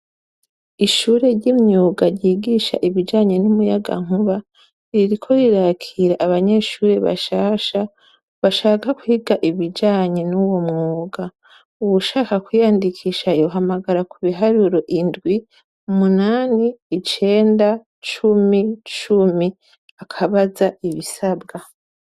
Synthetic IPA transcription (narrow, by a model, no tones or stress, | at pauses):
iʃuːɾe̞ɾɟimɲuːɡaɾɟiːɡiʃa̰ʔiβid͡ʒaːɲe̞numujaɡa̰ŋ̥uβa | iɾikʰo̞iɾaːkʰiɾaʔaβaɲe̞ʃuːɾe̞βa̰ʃaːʃa | βaʃaːkakwuhiɡaʔiβid͡ʒaːɲe̞nuwo̞mŋuːɡa | uwuʃaːkakwijaːndikʰiʃajoɦamaɡaɾakuβiɦaɾuɾoʔindɡwi | umunaːniːt͡ʃe̞ːnda | t͡ʃumit͡ʃumi | akʰaβazaiβisabɡa